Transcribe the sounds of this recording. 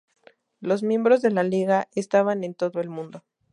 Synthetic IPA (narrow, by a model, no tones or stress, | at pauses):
lo̞zmjẽ̞mbɾo̞zðe̞laliɣaest̪aβane̞nt̪o̞ðo̞e̞lmũnd̪o̞